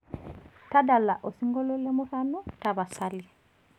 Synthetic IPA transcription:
ta˦da˨lːa˨ʔo˨si˦ŋɡo˦lo˦le˦mo˦fa˦nu˦taba˨sali˨

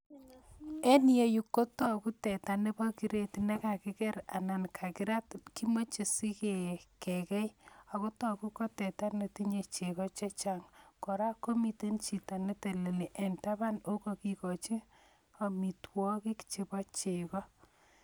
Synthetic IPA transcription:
e˦nje˨ju˨kːo˦tɔ˦ku˦tɛ˨ta˨ne˦bɔ˦ki˦ɾe˦tne˦ka˨kɪ˦kɛ˦ɾa̰˨na˨nkʰa˨kɪ˦ɾa˦tki˦mo˦t͡ʃe˨si˦ke˨kɛ˨kɛ˦ja˨ko˦tɔ˨ku˦ko˦tɛ˨ta˦ne˨ti˦ɲe˨t͡ʃe˨kɔ˦t͡ʃe˦t͡ʃaŋkɔ˨ɾa˦ko˦mi˨te˦nt͡ʃi˨ta˨ne˦te˨le˨li˨ʔɛ˨nta˦ba˦no˦ko˨ki˨kɔ˨t͡ʃi˦ | a˨mi˨twɔ˦ki˦kt͡ʃe˨bɔ˦t͡ʃe˨kɔ˦

